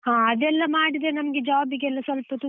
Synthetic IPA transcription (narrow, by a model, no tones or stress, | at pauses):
hãːɐd̪ɛlːɐmaːɽid̪e̞nɐmɐɡed͡ʒaːbiɡeɛlːɐsʋɐlpɐt̪u